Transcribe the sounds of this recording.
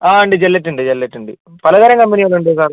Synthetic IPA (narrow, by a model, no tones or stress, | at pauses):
aːuɳɖɨd͡ʑelːeʈːuɳɖɨd͡ʑelːeʈːuɳɖɨ | pɐlɐɡɐɾjɐŋkɐmbɐniɐɭuɳɖɨsaːɾ